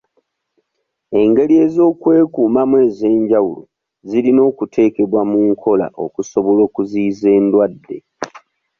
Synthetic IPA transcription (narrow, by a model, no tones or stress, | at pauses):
e̞ŋɡe̞lie̞ːzo̞ːkwe̞ːkuːmamwe̞ːze̞ːɲɟawulo̰ | zilino̞ːkutʰe̞ːke̞βwamuŋkʰo̞la̰ʔokuso̞βo̞lo̞ːkuziːze̞ːndwadːe̞̰